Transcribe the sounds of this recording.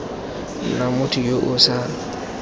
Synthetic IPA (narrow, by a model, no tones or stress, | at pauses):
namʊtʰijoʔʊsa